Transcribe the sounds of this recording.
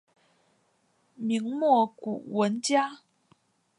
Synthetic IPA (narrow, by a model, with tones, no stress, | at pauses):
mi˧˥ŋmwɔ˥˩ku˨˩wə˧˥nt͡ɕja˥